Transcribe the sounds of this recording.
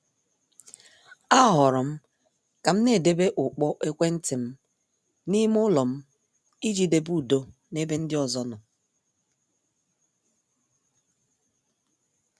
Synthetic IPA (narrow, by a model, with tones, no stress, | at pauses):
a˦ɦɔ˨ɾɔ˨m̩˦ | ka˨m̩˦ne˨de˦be˦ʔʊ˨k͡pɔ˦ʔe˦kʷe˦n̩˦tɪ˨m̩˦ | ni˦m˦ʊ˦lɔ˨m̩˦ | i˦d͡ʒi˨de˦˨bu˨do˦ | ne˦be˦n̩˦dɪ˦ɔ˨zɔ˦nɔ˨